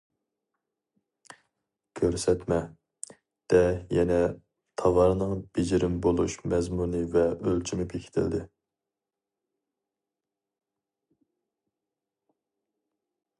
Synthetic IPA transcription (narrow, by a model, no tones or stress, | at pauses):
kʲʰøɾsɛt̪mɛ | d̪̥ɛjɛnɛ | t̪ʰɑvɑɾnɨŋb̥ed͡ʒɪɾɪmbolˠuʃmɛzmunɨvɛʔølt͡ʃʰimɪbekʲʰɪ̥t̪ʰɪ̰ld̪ɪ